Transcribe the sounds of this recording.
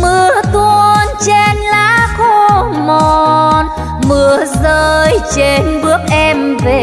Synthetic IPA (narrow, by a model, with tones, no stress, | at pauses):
mɨ˨˩ət̪wənt͡ɕe˧nlaː˧˥xo˧mo˩˨n | mɨ˨˩əzəː˧jt͡ɕe˧nɓɨ˦˥ək̚ʔɛ˧mve˨˩